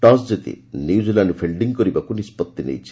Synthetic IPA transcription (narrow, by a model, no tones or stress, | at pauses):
ʈas̬d͡ʒet̪ḭniud͡ʒilanupʰelɖiŋɡkɔɾibakunispɔt̪ːinḛjt͡ʃʰi̥